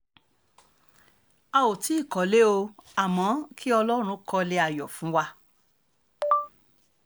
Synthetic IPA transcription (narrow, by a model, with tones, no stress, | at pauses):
a˧o˨ti˨˦i˦˨kɔ˨˦le˦o˧a˨mɔ̃˨˦kʰi˦ɔ˧lɔ˦ɾ̃ũ˧kɔ˧le˧a˧˨jɔ˨fũ˨˦wa˧